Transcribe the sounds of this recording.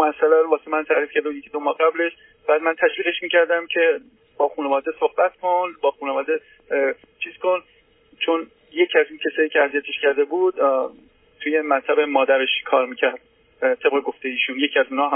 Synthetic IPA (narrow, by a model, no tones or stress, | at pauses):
moæsːælæɾovɒːsemænt̪ʰæɾiːfkcʰæɾd̪ujecʰid̪omɒːhɢæble̞ʃ | b̥æːd̪̚mænt̪ʰæʃviːɣe̞ʃmiːcʰæɾd̪æmcʰe̞ | b̥ɒːxuːnevɒːd̪esohbæt̪kʰo̞nbɒːxuːnevɒːd̪e | t͡ʃʰiːz̥ko̞n | t͡ʃʰon | je̞cʰiæziːncʰesɒːjiːcʰeæzijæt̪ʰeʃcʰæɾd̪e̞buːd̪̥ | t̪ʰuːje̞mæɾt̪ʰæbe̞mɒːd̪æɾe̞ʃkʰɒːɾmiːcʰæɾd̪̥̚ | t̪ʰe̞bʁe̞ɡo̞ft̪ejeiːʃuːnje̞cʰiæzunhɒːɦ